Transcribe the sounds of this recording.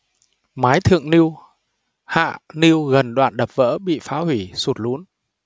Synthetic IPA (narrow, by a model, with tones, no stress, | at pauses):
maː˨˦jt̪ʰɨ̰˧˨əŋni˧əw | ha̰ː˧˨ni˧əwɣə˨˩nɗwa̰ː˧˨nɗə˨˩p̚və̰ː˧˥ɓḭ˧˨faː˨˦hwi˧˩su˨˩t̚lu˨˦ən